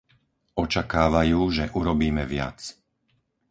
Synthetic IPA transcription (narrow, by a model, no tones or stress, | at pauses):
ɔt͡ʃakaːʋajuːʒɛʔuɾɔbiːmɛʋɪa̰t͡s